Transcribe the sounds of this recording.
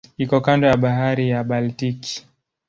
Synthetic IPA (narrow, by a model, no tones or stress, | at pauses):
ikɔkandɔjaɓaɦaɾijaɓaltiki̥